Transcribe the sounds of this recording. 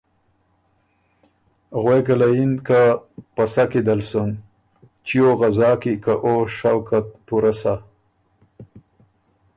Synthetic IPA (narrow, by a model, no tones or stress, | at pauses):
ɣweɡalajinkapasakid̪alsun | t͡ʃijoɣazɑːkikaʔoʃawkat̪̚puɾasa